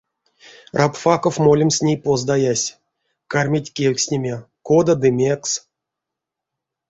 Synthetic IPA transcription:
rʔapfakofmolʲimsʲnʲejpozd̪ajasʲ | karmʲetʲkʲelʲkʲsʲnʲemʲe | kod̪ad̪ɨmʲeks

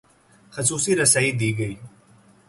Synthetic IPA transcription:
xəsuːsiːɾɐsaid̪iːɡəi

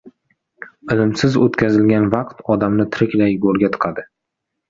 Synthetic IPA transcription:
ɪlɪmsɪzot̪kʲʰazɪlɡʲanvɑqt̪ɒd̪amnɪt̪ʰɪɾɪkʲlajɡoɾɡʲat̪ʰɨ̥qʰɑd̪ɪ

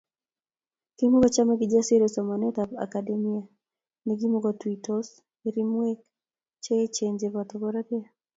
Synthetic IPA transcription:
kimoɡɔt͡ʃamaɡɪd͡ʒasiɾosɔmanɛtapa̰kademia | niɡimoɡɔtwitɔs | iɾimwek̚ | t͡ʃet͡ʃeɲd͡ʒeβatɔɡɔɾakɛa

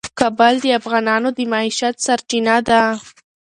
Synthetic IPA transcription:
kabald̪əafɣɑnɑnod̪əmɑiʃat̪saɾt͡ʃinad̪a

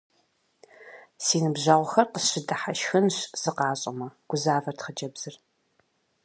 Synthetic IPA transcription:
siːnɨbʑaʁʷʊxɐrqəsɕɪdɨħaʃxɨnɕz̥ɨqɑːɕʼɐ̰mɐɡ̥ʷʊzaːvɐrtχət͡ʃʼɐbz̥ɨr

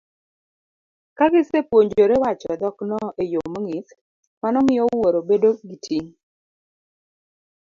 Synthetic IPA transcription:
kaɡɪsepwoɲd͡ʒoɾewat͡ʃɔd̪ɔknɔʔejomoŋis | manɔmɪjɔwoɾobedoɡitʰiŋ

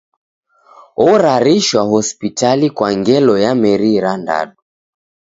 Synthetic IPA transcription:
ɔɾaɾiʃwahɔspitalikwaŋɡɛlɔjamɛɾiɾanda̰ɗu

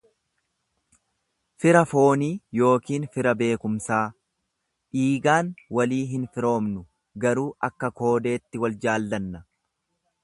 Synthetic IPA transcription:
fɪɾɐfo̞ːniːjo̞ːkiːnfɪɾɐbe̞ːkʊmsaː | ᶑiːɡaːnwɐliːɦɪnfɪɾo̞ːmnʊ | ɡɐɾuːʔɐkːɐko̞ːd̪e̞ːt̪ːɪwɐld͡ʒaːlːɐnːɐ

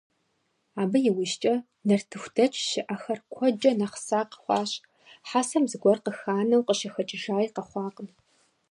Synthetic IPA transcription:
aːbɐjɪwiʃt͡ʃʼɐ | nɐrtʰɨxʷdʰɐt͡ʃʼʃɪʔɐxɐrkʷʰɔd͡ʒʼɐnɐχsaːqə̥χʷɑːɕ | ħasɐmzɨɡʷɔrqəxaːnɐwqəʃɐxɐt͡ʃʼɪʒaːjqɐχʷɑːqʼən

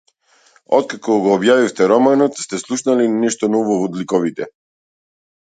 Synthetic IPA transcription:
ɔt̪̚kakɔɡɔːbjavift̪ɛɾɔmanɔt̪st̪ɛslˠuʃnalinɛʃt̪ɔnɔvɔvɔd̪likɔvit̪ɛ

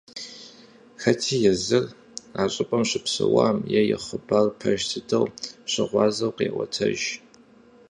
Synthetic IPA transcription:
xɐtʰiːjɛzɨr | aːɕʼɪpʼɐmɕɪpsɨwaːmjɛjɛ̰χəbarpʰɐʒtʰɨdɐwɕɐʁʷɑːzɐwqeːwʷɐ̰tʰɐʒ

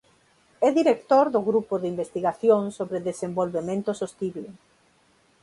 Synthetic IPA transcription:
ɛðiɾekt̪oɾðʊɣɾupʊðimbest̪iɣaθjoŋsoβɾeðesembolβemẽnt̪ʊsost̪iβle

